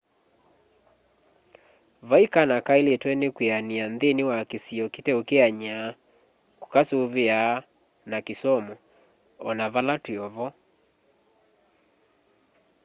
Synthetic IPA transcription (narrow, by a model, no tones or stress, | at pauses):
vaikanakaeletwɛnekweaniandðenewakesiɔketɛokeaɲa | ko̥kasoβea | nakesɔmɔ | ɔnaβalatweɔβɔ